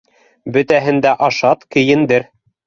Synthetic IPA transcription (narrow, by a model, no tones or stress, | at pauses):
bɵ̆t̪æɦɘ̆nd̪æʔɑʃɑt̪kɘ̆jɘ̆nd̪ɘɾ